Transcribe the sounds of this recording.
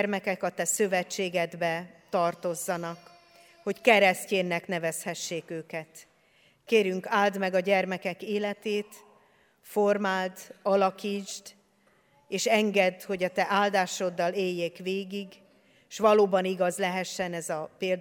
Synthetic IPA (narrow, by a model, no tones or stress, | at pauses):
rmɛkɛkɒt̪ɛsøvɛt͡ʃːeːɡɛd̪bɛt̪ɒrt̪o̞zːɒnɒk | ho̞ckɛɾɛsceːnːɛknɛvɛshɛʃːeːkøːkɛt̪ | keːɾyŋkaːld̪mɛɡɒɟɛrmɛkɛkeːlɛt̪eːt̪ | formaːlt̪ɒlɒkiːd͡ʒd̪ | eːʃɛŋɡɛd̪ho̞ɟɒt̪ɛʔaːld̪aːʃo̞d̪ːɒleːjːeːkʋeːɡiɡ | ʃʋɒloːbɒniɡɒzlɛɦɛʃːɛnɛzɒpeːld̪